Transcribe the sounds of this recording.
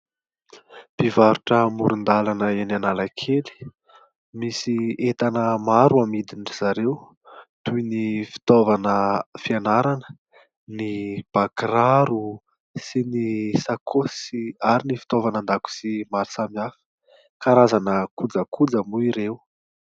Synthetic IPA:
pivaɾuʈ͡ʂəmuɾund̪alanəenanalakʰeli̥ | misiet̪anəmaɾuamid̪inʈ͡ʂiz̥aɾew | t̪ujnifi̥t̪ovanəfianaɾanə̥ | nib̥akraɾu | sinisakʰosiaɾinifi̥t̪ovanand̪aku̥simaɾisamiafə̥ | kaɾazanəkud͡zəkʰud͡zəmuiɾew

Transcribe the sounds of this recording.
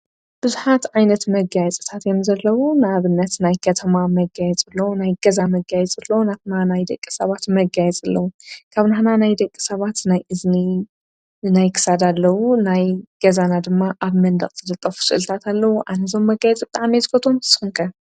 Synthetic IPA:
b̥ɨzuħat̪ʕajnɐt̪mɐɡajɛt͡sʼɨt̪ʰat̪jemzɐlːɐwunɨaβɨnːɐt̪najkʰɐt̪ʰɐmamɐɡajɛt͡sʼɨlːɐwnajɡɐzamɐɡajɛt͡sʼɨlːɐwnaβnanajd̪ɐkʼːi̥sɐβat̪mɐɡajɛt͡sʼɨlːɐwukʰaβnaħnanajd̪ɐkʼːi̥sɐβat̪najʔɨzni | najkʰɨ̥sad̪alːɐwunajɡ̥ɐzanad̪ɨmːaʔaβmɐnd̪ɐχʼzɨd̪ɐt̪ʼːɐfu̥sɨ̰ʔɨlt̪ʰat̪ʰalːɐwuʔanɐzo̞mːɐɡajɛt͡sʼbɨt̪ʼaʕmezɨkʰot̪ʰomɨ̥sʼɨhɨnkʰɐ

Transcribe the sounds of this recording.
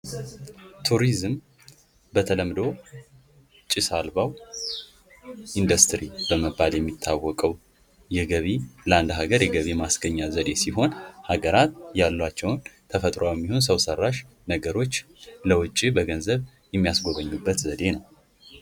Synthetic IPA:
t̪ʰuɾizm | bət̪ʰələmd̪o̞ | t͡ʃʼisalbaw | ʔind̪əst̪ɾibəməbːaljɛmːit̪ʰːawːɔkʼəw | jɛɡəβiləand̪ɦaɡəɾjɛɡəβimasɡəɲːazəd̪e̞siɦo̞nhaɡəɾat̪jalːwat͡ʃːɛwnt̪ʰəfət̪ʼɾoawjɛmːihonsəwsərːaʃ | nəɡəɾo̞t͡ʃːləwʊt͡ʃʼːibəɡənzəβ | jɛmːijasɡo̞βəɲːubːət̪zəd̪e̞nəw

